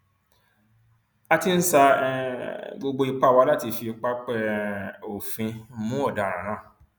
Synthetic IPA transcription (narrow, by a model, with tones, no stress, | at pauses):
a˧ti˧n̩˦sa˧ | ɡ͡bo˧ɡ͡bo˧i˧k͡pa˦˨wa˧˦la˦˨ti˧fi˧k͡pa˦k͡pɛ˦o˨fĩ˧˦mũ˦ɔ˦˨da˨ɾ̃ã̰˨˦ɾ̃ã˦˨